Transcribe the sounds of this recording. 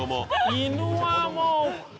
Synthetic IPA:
omɔ̰inuwamɔ

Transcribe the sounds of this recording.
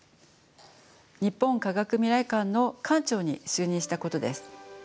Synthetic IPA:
ɲ̟ipːõ̞ŋkaɡakɯ̟mʲiɾaikãnnːo̞kãɲt͡ɕo̞ːɲ̟ḭɕɨːɲ̟ĩɰ̃ɕi̥t̪ako̞t̪o̞d̪e̞sɨ̥

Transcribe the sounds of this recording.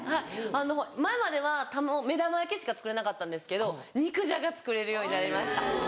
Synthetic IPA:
haiano̞maemad̪e̞βat̪amome̞d̪amaekeɕi̥kat͡sɨ̥kɯ̟ɾe̞nakat̪ːãnd̪e̞sɨ̥ke̞d̪o̞ɲ̟ikɯ̟ʑaɡat͡sɨ̥kɯ̟ɾe̞ɾɯ̟jo̞ːɲ̟inaɾʲimaɕi̥t̪a

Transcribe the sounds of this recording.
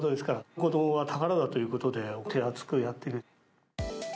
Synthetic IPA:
d̪od̪e̞sɨ̥kaɾakod̪oβat̪ʰaɡaɾad̪at̪o̞jɯ̟ko̞t̪o̞d̪e̞ot̪ʰeat͡sɨ̥kɯ̟jat̪ːe̞ɾɯ

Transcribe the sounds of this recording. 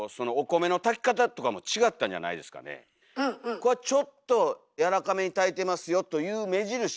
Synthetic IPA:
so̞no̞ːko̞me̞no̞t̪akʲi̥kat̪at̪o̞kamo̞t͡ɕiɡat̪ːãɲ̟d͡ʑa̰na̰id̪e̞sɨ̥ka̰nḛ | koat͡ɕo̞t̪ːo̞ | jaɾakame̞ɲ̟it̪ait̪e̞masɨjo̞t̪o̞jɯ̟ːme̞ʑiɾɯ̟

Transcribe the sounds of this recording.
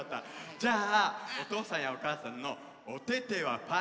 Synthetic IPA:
t̪ːa̰d͡ʑaːot̪o̞ːsãɰ̃jaokaːsãnːo̞ː | t̪e̞t̪e̞βapa

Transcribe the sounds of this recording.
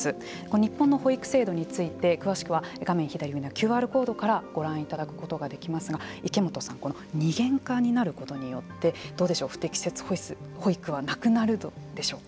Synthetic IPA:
sɨ | ko̞noɲ̟ipːõnːo̞ho̞ikɯ̟̥se̞ːd̪o̞ɲ̟it͡sɨit̪e̞kɯ̟βaɕi̥kɯ̟βaɡamẽ̞ɰ̃çid̪aɾʲihɯ̟inakʲɨːaːɾɯ̟ko̞ːd̪o̞kaɾaɡ̥o̞ɾãɰ̃it̪ad̪akɯ̟̥ko̞t̪o̞ɡad̪e̞kʲimasɨɡaike̞mo̞t̪o̞sãŋko̞no̞ɲ̟iɡẽ̞ŋkaɲ̟inaɾɯ̟ko̞t̪o̞ɲ̟ijo̞t̪ːe̞d̪̥o̞ːd̪e̞ɕo̞ːɸɯ̥t̪e̞kʲi̥se̞t͡sɨ̥hoisɨho̞ikɯ̟βanakɯ̟naɾɯ̟d̪od̪e̞ɕo̞ː

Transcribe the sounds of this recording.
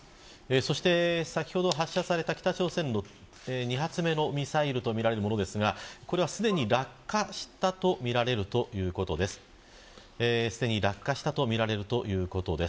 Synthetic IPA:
eso̞ɕi̥t̪e̞sakʲi̥ho̞d̪o̞ɦaɕːasaɾe̞t̪akʲt̪at͡ɕo̞ːsẽ̞nːo̞ | eɲ̟iɦat͡sɨme̞no̞mʲisaiɾɯ̟t̪o̞mʲiɾaɾe̞ɾɯmo̞no̞d̪e̞sɨɡako̞ɾe̞β̞asɨd̪e̞ɲ̟iɾakːaɕi̥t̪at̪o̞mʲiɾaɾe̞ɾɯ̟t̪o̞jɯ̟ːko̞t̪o̞d̪e̞sɨ̥ | esɨd̪e̞ɲ̟iɾakːaɕi̥t̪at̪o̞mʲiɾaɾe̞ɾɯ̟t̪o̞jɯ̟ːko̞t̪o̞d̪e̞s

